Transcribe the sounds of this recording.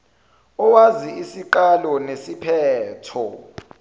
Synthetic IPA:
ɔwaziisiǃalɔnesipʰɛːtʰɔ̰

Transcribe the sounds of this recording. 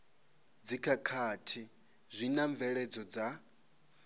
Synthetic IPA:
d͡zikʰakʰatʰi | zʷinaɱvɛɺɛd͡zɔd͡za

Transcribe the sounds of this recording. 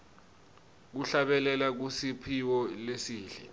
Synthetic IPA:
k̬uɬaɓɛlɛlak̬usipʰiwɔlesiːɬɛ

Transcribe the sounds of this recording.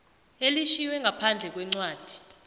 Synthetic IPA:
eliʃiwɛŋɡʱapʰand͡ɮʱɛk̬wɛŋ͡ǀwaːd̥ʱi̥

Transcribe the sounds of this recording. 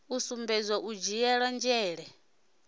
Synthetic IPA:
usumbɛzʷaʔud͡ʒijɛɺand͡ʒɛːɺɛ

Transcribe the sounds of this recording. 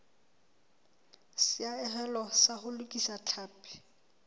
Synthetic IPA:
sɪaɛhɛlɔsahʊlʊkʼisat͡ɬʰaːpʰʼɛ̥

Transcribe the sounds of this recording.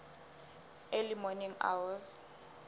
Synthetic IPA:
elimɔniŋa̰wɔs

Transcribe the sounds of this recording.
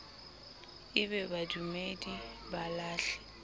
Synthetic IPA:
ɪbɛbadumedibalaːɬɛ̥

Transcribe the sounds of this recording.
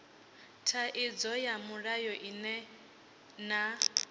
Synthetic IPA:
tʰaʔid͡zɔjamuɺajɔʔinɛ | na

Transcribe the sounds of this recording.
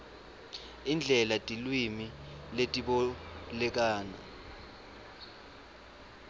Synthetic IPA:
ind͡ɮʱɛlatʼilwimiletʼiɓɔlɛk̬aːna

